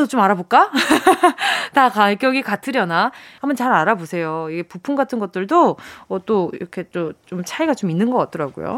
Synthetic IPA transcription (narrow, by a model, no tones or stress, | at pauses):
dot͡ɕomaɾabok͈a | takakjʌɡikatʰɯɾjʌnaambʌnt͡ɕaɾaɾabosʰe̞joiɡe̞pupʰuŋɡatʰɯnɡʌt̚t͈ɯɭdoʌt͈oḭɾʌkʰe̞t͡ɕ͈ot͡ɕomt͡ɕʰaiɡat͡ɕominːɯnɡʌk͈at̚t͈ʌɾaɡo̰jo̰